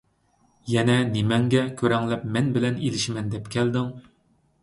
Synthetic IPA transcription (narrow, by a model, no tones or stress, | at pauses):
jɛnɛnemɛŋɡʲɛkʲʰøɾɛŋlɛp̚mɛnbɪlɛnelɪʃmɛnd̪ɛpkʲʰɛld̪ɪŋ